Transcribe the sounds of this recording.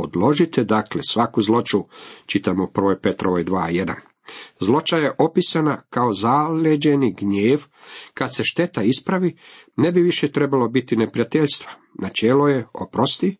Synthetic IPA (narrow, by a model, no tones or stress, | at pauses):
o̞d̪lˠo̞ʒit̪ed̪aklesʋakuzlˠo̞t͡ʃut͡ʃit̪amopr̩ʋojpe̞t̪ɾoʋojd̪ʋaːje̞d̪a̰n | zlˠo̞t͡ʃajeʔo̞pisanakao̞zalʲed͡ʒe̞niɡɲeːʋ | kad̪se̞ʃt̪e̞t̪aispɾaʋi | ne̞biʋiʃet̪ɾe̞balo̞bit̪inepɾijat̪e̞ʎst̪ʋḁ | nat͡ʃeːloje̞opɾost̪i